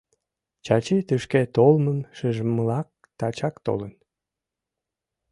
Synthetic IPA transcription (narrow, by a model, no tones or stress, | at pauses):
t͡ɕɑt͡ɕit̪yʃket̪olmənʃəʒəməlɑk̚t̪ɑt͡ɕɑkt̪o̰lən